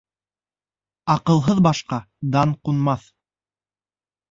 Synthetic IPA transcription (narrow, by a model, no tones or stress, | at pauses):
ɑqɤ̆lˠɦɤðbɑʃqɑ | d̪ɑɴqunmɑθ